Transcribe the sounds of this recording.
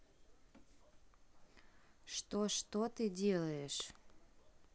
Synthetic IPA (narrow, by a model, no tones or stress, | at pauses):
ʂt̪oʃt̪ot̪ɨdʲelˠəjeʃ